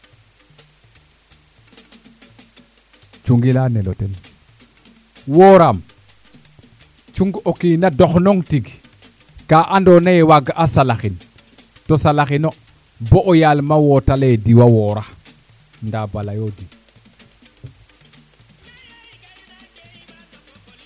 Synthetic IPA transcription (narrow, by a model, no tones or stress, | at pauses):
t͡ʃuŋɡilaneloten | woːɾam | t͡ʃuŋɡokiːnadoxnoŋtiɡ | kaʔandonajewaɡaʔasalaxin | tosalaxino | boʔːjalmawotalediwawoɾa | ndabalajodi